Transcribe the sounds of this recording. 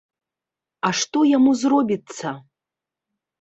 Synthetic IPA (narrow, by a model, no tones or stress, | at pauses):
aʂt̪ɔjamuzrɔbʲit̪sːɐ